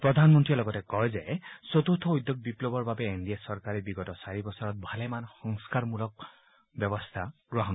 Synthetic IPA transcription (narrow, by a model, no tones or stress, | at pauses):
pɾɔd̪ʱanmɔnt̪ɹiɔlɔɡɔtekɔɦezesot̪ut̪ʰɔujd̪joɡ̚biplobɔɹbabeend̪iasɔɾkaɾibiɡɔtɔsaɹibɔsɔɾɔt̪̚bʱalemanxɔŋskaɾmulɔk̚ | bjɔbɔst̪ʰaɡɹɔɦɔn